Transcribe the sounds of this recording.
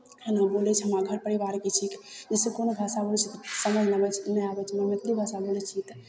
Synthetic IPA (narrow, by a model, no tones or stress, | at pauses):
ənabolɛt͡ʃʰɦəmɾaɡʱəɾpəɾibaɾket͡ʃʰikd͡ʒesekonobʱasabolt͡ʃʰit̪səməɦnəbɛt͡ʃʰnəjabɛt͡ʃʰmamet̪libʱasabolɛt͡ʃʰit̪